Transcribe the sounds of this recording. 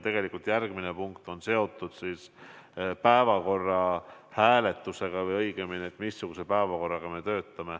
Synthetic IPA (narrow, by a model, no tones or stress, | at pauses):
t̪e̞ɡ̥e̞likːˑult̪jærɡ̥mine̞puŋkt̪o̞nse̞o̞t̪ːˑud̪̥sis | pæevɑko̞rːɑhæːle̞t̪ːˑuse̞ɡ̥ɑvɤjɤjɡ̥e̞mineːt̪ːˑmisːuɡ̥use̞pæevɑko̞rːɑɡ̥ɑme̞t̪ø̞ːt̪ˑːɑme̞